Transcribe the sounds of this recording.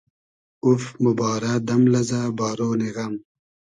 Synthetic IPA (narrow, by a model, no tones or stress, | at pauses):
ufmubɑːɾad̪ɐmlɐzabaːɾoːniɣɐm